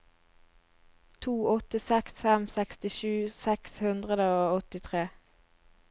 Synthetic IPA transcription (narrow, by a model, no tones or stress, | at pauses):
t̪ʰuːɔt̪əsɛksfɛmsɛkst̪ɪʃʉːsɛkshʉnd̪ʁəd̪əoːɔt̪ɪt̪ʰʁeː